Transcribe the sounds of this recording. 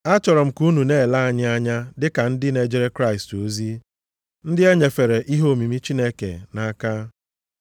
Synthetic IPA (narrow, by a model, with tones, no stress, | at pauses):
a˦t͡ʃɔ˨ɾɔ˨m̩˨ku˦nu˨ne˦˨la˦a˦ɲɪ˦a˦ɲa˦dɪ˦ka˨n̩˦dɪ˦ne˨d͡ʒe˦ɾe˦kɾa˦ɪ˨sto˨zi˦ | n̩˦dɪ˦e˦ɲe˨fe˨ɾe˨ʔi˦ɦo˦˨mi˨mi˦t͡ʃi˦ne˦kḛ˨na˦ka˦